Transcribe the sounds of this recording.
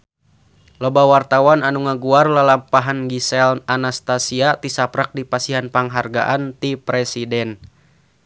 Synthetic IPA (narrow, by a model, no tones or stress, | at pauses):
lobawart̪awananuŋaɡuarlalampaɦanɡisɛlnanast̪asiat̪isapɾak̚dipasiɦanpaŋɦarɡa̰ʔant̪ipɾɛsidɛn